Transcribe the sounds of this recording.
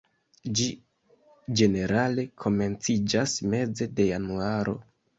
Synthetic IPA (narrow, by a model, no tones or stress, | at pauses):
d͡ʒi | d͡ʒe̞ne̞ɾale̞kʰo̞me̞nt͡sid͡ʒasme̞ze̞de̞januaɾo̞̰